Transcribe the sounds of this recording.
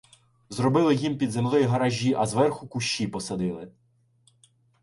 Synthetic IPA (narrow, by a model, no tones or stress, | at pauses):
zɾɔbɪlˠɪjimpʲid̪zemlˠɪjiɦɐɾɐʒʲːiʔɐzʋɛrxʊkʊʃːipɔsɐd̪ɪlˠɪ